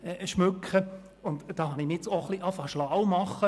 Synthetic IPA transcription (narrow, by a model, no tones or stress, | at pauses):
ɛʃmʉkχə | ʊndd̥ɑːhɑnimet͡soχliʔɑfɑʃlawmɑχːə